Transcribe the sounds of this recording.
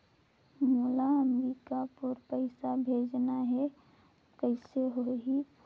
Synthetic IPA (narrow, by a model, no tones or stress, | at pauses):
mulaəmɾiːkapəɾpəɪsabʱeːd͡ʒnaɦɛ | kəɪseɦoɦi